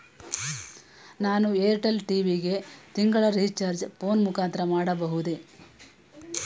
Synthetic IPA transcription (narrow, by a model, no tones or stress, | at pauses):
naːnueːɾʈɐlʈiːʋiɡet̪iŋɡɐɭɐɾiːt͡ʃɐɾd͡ʒpo̞ːnmukaːnt̪ɐɾɐmaːɽɐbɐɦud̪e